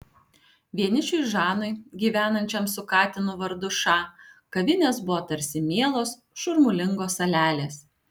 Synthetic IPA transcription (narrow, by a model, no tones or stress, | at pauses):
ʋʲiɛnʲɪt͡ʃʲʊɪʒɑːnʊɪɡʲiːʋʲæːnɐnʲt͡ʃʲɛmsʊkɑːt̪ʲɪnʊʋɐɾd̪ʊʃɑːkɐʋʲɪnʲeːsbʊʋoːt̪ɐɾʲsʲɪmʲeɛlˠoːs | ʃʊɾmʊlʲɪŋɡoːsɐlʲæːlʲeːs